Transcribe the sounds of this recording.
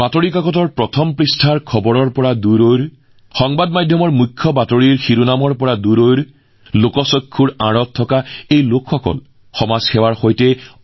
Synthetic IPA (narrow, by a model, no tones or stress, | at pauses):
b̥atoɹikakɔtɔɹpɹɔtʰɔmpɹistʰaɹkʰɔbɔɹɔɹpɔɹaduɾojɹ | xɔŋbadmadʱjɔmɔɹmukʰːɔbatoɹiɹxiɾunamɔɹpɔɹaduɾojɹ | lokɔsɔkʰːuɹãɹɔtʰːɔkaejlokxɔkɔ̰l | xɔmazxɛwaɹxojtɛ